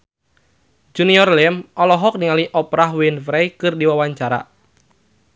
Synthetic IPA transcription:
d͡ʒuniɔrlɛmɔlɔɦɔk̚niŋaliʔɔpɾaɦwinfɾɛjkɨrdiwawaɲt͡ʃaɾa̰

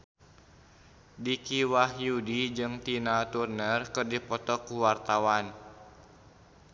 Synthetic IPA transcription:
dikiwahjudid͡ʒɨŋt̪inat̪urnərkɨrdipɔt̪ɔkuwart̪awan

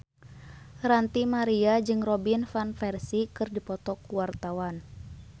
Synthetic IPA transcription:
rant̪imaɾiad͡ʒɨŋrɔbinfanfɛrsikɨrdipɔt̪ɔkuwart̪awan

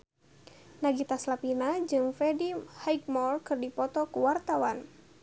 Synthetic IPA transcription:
naɡit̪aslapinad͡ʒɨŋfɛdihajk̚mɔrkɨrdipɔt̪ɔkuwart̪awan

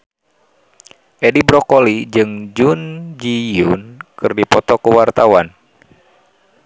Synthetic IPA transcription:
ʔedibɾɔkolid͡ʒɨŋd͡ʒund͡ʒijunkɨrdipɔt̪ɔkəwart̪awan

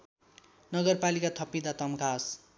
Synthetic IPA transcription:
nʌɡʌrpalikat̪ʰʌpid̪at̪ʌmkʰas

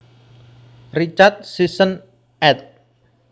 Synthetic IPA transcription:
rit͡ʃat̪̚sisən | ɛt̪̚

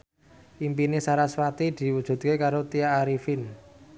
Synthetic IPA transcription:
ʔimpinesaɾaswat̪id̪̥i̤wud̥ʒ̥ṳt̪̚kekaɾot̪iaːɾifin

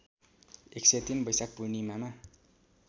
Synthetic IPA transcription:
ekset̪inbʌjsak̚punimama

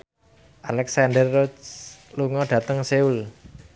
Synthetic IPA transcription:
ʔalɛksandərot͡ʃluŋɔɖ̥ä̤t̪əŋseul

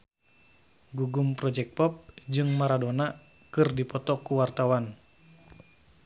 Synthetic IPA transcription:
ɡuɡumpɾɔd͡ʒɛk̚pɔp̚d͡ʒɨŋmaɾadona | kɨrdipɔt̪ɔkuwart̪awan

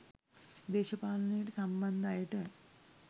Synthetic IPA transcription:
d̪eːɕɐpaːlɐnijʈɨsɐmbɐnd̪ʱaːjʈɨ

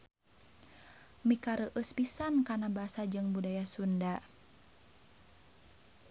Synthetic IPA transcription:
mikaɾəʔəspisankanabaasad͡ʒɨŋbudajasunda

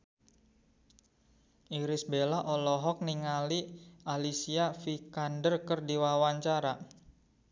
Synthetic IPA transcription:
ʔiɾɪsbelaʔɔlɔɦɔk̚niŋaliʔalisiafikandərkərdiwawaɲt͡ʃaɾa

